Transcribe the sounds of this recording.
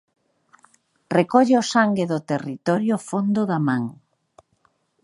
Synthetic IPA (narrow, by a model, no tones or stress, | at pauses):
rekɔʎeosaŋɡeðʊt̪erit̪ɔɾjofond̪ʊðamãŋ